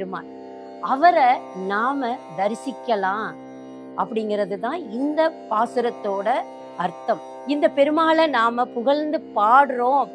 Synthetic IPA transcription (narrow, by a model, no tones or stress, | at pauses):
ɾɯma̰ː | ɐʋɐɾɐnaːmɐd̪ɐɾɪsɪkːɐlãː | ʔɐpːɐɽɪŋɡɪɾɐðɯt̪ãːɪnd̪ɐpaːsɯɾɐt̪ːoːɽɐ | ɐɾt̪ɐm | ɪnd̪ɐpɛɾɯmaːlɐnaːmɐpʊɣɐɭnd̪ɯpaːɽɯɾõː